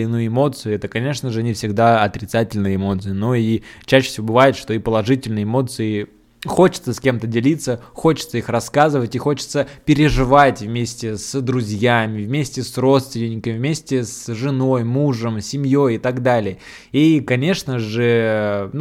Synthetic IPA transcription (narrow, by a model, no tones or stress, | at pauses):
ɪnujɪmo̞t̪sɨjʊɛt̪əkɐnʲe̞ʂnəʐɨnʲɪfsʲɪɡd̪aɐt̪ɾʲɪt̪satʲɪlʲnɨjəɪmo̞t̪sɨɪnoit͡ɕːæɕːɪ̥sʲɪvʲobɨvajɪt̪ʂt̪o̞ipəlˠɐʐɨtʲɪlʲnəjəɪmo̞t̪sɨɪ | xo̞t͡ɕɪ̥t̪səsʲkʲe̞mt̪ədʲɪlʲit̪səxo̞t͡ɕɪ̥t̪səixrɐskazɨvətʲixo̞t͡ɕɪ̥t̪səpʲɪɾʲɪʐɨvatʲvmʲesʲtʲɪsd̪ɾʊzʲjamʲɪvmʲesʲtʲɪsro̞t̪st̪vʲɪnʲɪnʲːɪkəmʲɪvmʲesʲtʲɪsʐɨno̞jmuʐəmsʲɪmʲjo̞jɪt̪aɡd̪alʲɪjə | ikɐnʲe̞ʂnəʐɨn